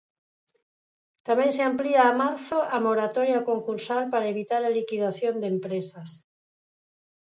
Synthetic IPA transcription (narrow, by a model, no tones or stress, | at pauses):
t̪amẽŋseampliaːmaɾθoʔamoɾat̪oɾjakoŋkuɾsalpaɾaeβit̪aɾalikiðaθjond̪empɾesas